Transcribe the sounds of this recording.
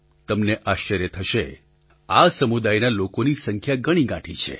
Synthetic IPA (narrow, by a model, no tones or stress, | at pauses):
t̪əmneʔaʃt͡ʃəɾjət̪ʰəʃe | asəmud̪ajnalokonisəŋkʰjaɡəɽ̃iɡãʈʰit͡ʃʰḛ